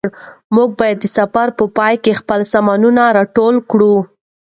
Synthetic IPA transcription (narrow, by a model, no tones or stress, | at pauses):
ɽmuɡ̚bɑjad̪ːəsafaɾpəpɑjkexpəlsamɑnunaɾɑʈolkɽu